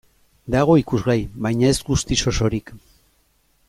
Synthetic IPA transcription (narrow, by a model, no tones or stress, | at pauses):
d̪aɣ̞o̞ikuzɣajβajɲae̞zɡust̪iso̞so̞ɾik